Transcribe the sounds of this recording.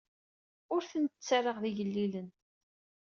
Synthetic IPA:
ʊɾθənt̪ət͡sːarˤəʁðiʝəlːilən

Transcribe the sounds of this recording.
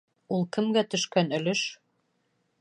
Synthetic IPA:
ulˠkɘ̆mɡæt̪ɵ̆ʃkænɵ̆lɵʃ

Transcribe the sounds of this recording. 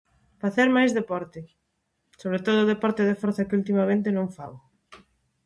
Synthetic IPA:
faθeɾmajzðepɔɾt̪ɪ | soβɾet̪oð̞ʊðepɔɾt̪ɪðefɔɾθɐkɪult̪̬imamẽnt̪ɪnõŋfa̰w

